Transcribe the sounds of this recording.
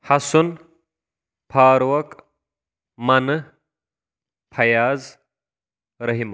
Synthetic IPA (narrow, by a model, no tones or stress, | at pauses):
hɐsun | pʰaːɾwɐk | mɐnɨ | pʰɐjaːz | ɾɐɦimɐ